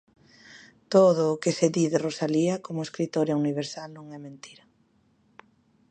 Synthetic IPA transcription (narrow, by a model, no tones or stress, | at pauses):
t̪oð̞ʊːkeseðiðerosaliɐkomʊeskɾit̪oɾjauniβ̞eɾsalnõŋɛmẽnt̪iɾɐ